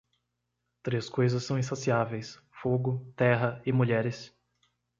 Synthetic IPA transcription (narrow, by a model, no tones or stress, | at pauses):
t̪ɾeskojzɐsːɐ̃w̃ĩsasiavejs | foɡʊt̪ɛɦɐɪmuʎɛɾɪs